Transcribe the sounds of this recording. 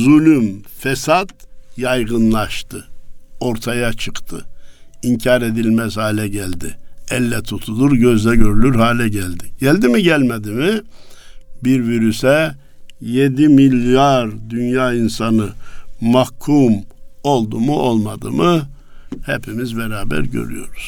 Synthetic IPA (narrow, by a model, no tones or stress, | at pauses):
zylʲymfɛsad̪̥jɑjʁɯnlˠɑʃt̪ʰɯo̞ɾt̪ʰajat͡ʃʰɯqt̪ʰɯ̰iɲcʰaɾe̞d̪ilʲmɛzhaːilʲɛɟælʲd̪iɛlːɛt̪ʰut̪ʰud̪uɾɟø̞zd̪ɛɟø̞ɾylyɾhaːlʲɛɟælʲd̪iɟælʲd̪imiɟælʲmɛd̪imi | biɾviɾysɛ | jed̪imilʲjaɾd̪ynjaːinsanɯmahkʰːumo̞lˠd̪umuʔo̞lˠmad̪ɯ̰mɯ | hɛpʰimizbɛɾaːbæ̰ɾɟø̰ɾy̰jo̞̰ɾuz̥